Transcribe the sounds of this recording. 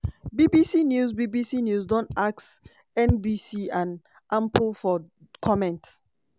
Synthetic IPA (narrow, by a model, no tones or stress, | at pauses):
bibisinjusbibisinjusdɔ̃ntaks | ɛ̃nbisiãn | ʔãmplfɔ | kʰɔmɛ̃nt